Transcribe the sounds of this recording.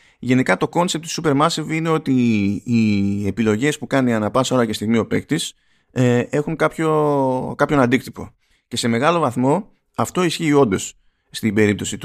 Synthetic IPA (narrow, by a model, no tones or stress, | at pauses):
ʝe̞nikɐt̪o̞ko̞nsip̚t̪u̥supe̞ɾmɐsivine̞o̞t̪iː | e̞pilo̞ʝe̞spukɐniɐnɐpɐso̞lɐce̞st̪iɣmio̞pe̞kt̪is | e̞xuŋkɐpço̞kɐpço̞nɐnd̪ikt̪ipo̞̰ | ce̞se̞me̞ɣɐlo̞vɐθmo̞ | ɐft̪o̞isçiːo̞nd̪o̞sː | t̪ibe̞ɾip̚t̪o̞sit̪u